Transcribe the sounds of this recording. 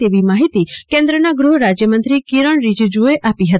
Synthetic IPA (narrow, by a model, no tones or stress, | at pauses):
eʋimaɦit̪ikẽnd̪ɾənaɡɾuɦɾad͡ʒjəmə̃nt̪ɾikiɾəɳ̃ɾid͡ʒd͡ʒueʔapiɦət̪